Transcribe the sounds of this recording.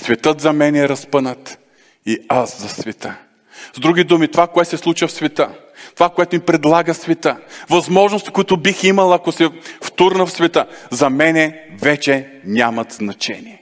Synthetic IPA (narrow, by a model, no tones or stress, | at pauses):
svɛt̪ɤt̪zɐmɛnɛːɾɐspənət̪ | iaszɐsvɛt̪ə | zd̪ɾuɡ̟id̪umit̪ovakoɛt̪sɛslˠut͡ʃvəfsvɛt̪ə | t̪ovakoɛt̪oʊnipɾɛd̪lˠaɡəsvɛt̪əvɐzmɔʒnost̪i̥kʊit̪ʊbiximɐlˠɐkosɛft̪uɾnəfsvɛt̪əzɐmɛnɛvɛt͡ʃɛ | nʲamɐt̪znɐt͡ʃɛ̰niɛ